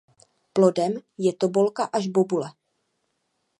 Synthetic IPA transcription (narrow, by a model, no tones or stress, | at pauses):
plo̞dɛmjɛt̪o̞bo̞lkaʔaʒbobulɛ